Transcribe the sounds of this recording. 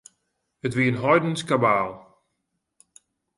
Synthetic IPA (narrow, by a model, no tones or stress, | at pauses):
ətʋiənɦɔjdənskabaːlˠ